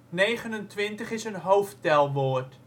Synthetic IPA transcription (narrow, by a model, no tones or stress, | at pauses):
nejχənəntʋɪntəχɪsənɦowftɛlˠʋoːrt